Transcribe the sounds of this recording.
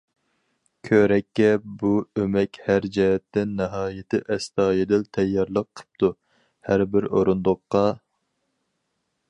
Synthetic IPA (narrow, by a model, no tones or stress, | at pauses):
kʲʰøɾɛkʲːɛbuømɛkʲhæɾd͡ʒɛɦɛt̪ːɪnːɨɦɑːjɪt̪ʰɪʔɛst̪ɑːjɪd̪ɪlt̪ʰɛjːɑɾlˠəqʰːə̥p̚t̪ʰu | hæɾbɪɾoɾund̪oqːɑ